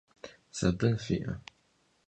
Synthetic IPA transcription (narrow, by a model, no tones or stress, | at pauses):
sɐbɨnfḭːʔɐ̰